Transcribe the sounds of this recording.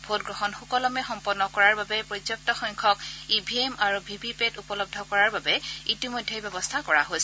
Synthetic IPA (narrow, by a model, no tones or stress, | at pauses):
bʱotɡɹɔxɔnxukɔlɔmɛxɔmpɔnːɔkɔɹaɹbabɛpɹɔtjɔk̚tɔxɔŋkʰɔkibʱiemaɹubʱibʱipetupɔlɔb̚dʱɔkɔɹaɹbabɛitimojdʱːejbɛbɔstʰakɔɹaɦojsɛ